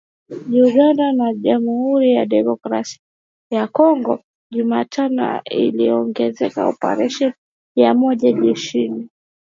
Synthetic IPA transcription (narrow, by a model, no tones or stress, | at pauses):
ʄuɡandanaʄamuhuɾijaɗɛmɔkɾasi̥a | jakɔŋɡɔ | ʄumatʰanɔ̰ḭliɔŋɡɛzɛka̰ɔpa̰ɾɛʃɔn | jamɔʄaʄɛʃini